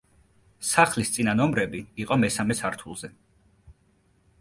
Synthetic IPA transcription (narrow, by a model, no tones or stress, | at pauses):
saχlist̪sʼinanɔmɾɛbiːqʼɔmɛsamɛsaɾt̪ʰulˠzɛ